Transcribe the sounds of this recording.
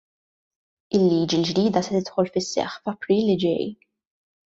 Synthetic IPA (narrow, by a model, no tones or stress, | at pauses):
ɪlːiːd͡ʒild͡ʒd̪iːd̪ɐsɛt̪ɪt̪ħɔlfɪsːɛ̰ħfɐpɾiːlːɪd͡ʒɛ̰j